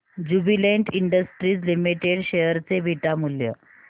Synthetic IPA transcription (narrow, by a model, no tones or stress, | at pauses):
d͡ʑubileɳʈiɳɖəsʈɾiːt͡slimiʈeɽɕejəɾt͡sebʱiʈamuljə̰